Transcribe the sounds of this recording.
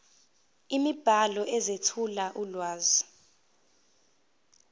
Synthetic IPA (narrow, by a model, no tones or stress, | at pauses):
imib̥ʱalɔɛzetʰulaʔulwaːzɔ